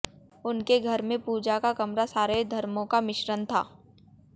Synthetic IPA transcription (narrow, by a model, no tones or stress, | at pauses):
ʊnkeɡʱɐɾmẽpuːd͡ʒakakɐmɾasaːɾed̪ʱɐɾmõkamɪʃɾənt̪ʰa̰ː